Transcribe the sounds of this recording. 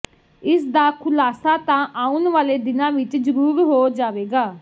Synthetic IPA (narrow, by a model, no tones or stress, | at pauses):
ɪsd̪aːkʰʊlaːsaːt̪ãːʔaːʊnʋaːleːd̪ɪnãːʋɪt͡ʃd͡ʒəɾuːɾɦoːd͡ʒaːʋeːɡaː